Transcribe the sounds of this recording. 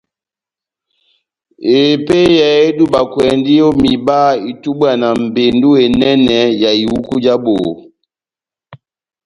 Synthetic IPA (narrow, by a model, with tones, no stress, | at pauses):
e˨pe˦ja˨e˦du˦ba˨kwɛ˨ndi˦jo˦mi˨ba˦i˨tu˦bwa˨na˨m̩˨be˨ndu˦e˨nɛ˦nɛ˨ja˨i˨wu˦ku˦d͡ʒa˦bo˨